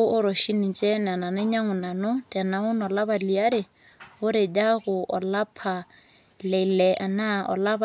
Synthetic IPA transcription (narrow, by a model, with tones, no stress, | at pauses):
ʊ˦ʔʊ˦ɾɔ˨ʃi˦ni˨t͡ʃʼɛ˦na˨na˨nɛ˦ɲa˦ŋʊ˨na˨nʊ˦tʼa˨na˨ʊ˦nɔ˨la˦ba˨li˨a˦ɾɪ˨ | ɣʊ˦ɾɪ˨d͡ʒa˦ɣʊ˨ʔɔ˨la˦pʰa˨ | lɛ˨lɛ˨ʔa˨na˦ɔ̰˨la˦b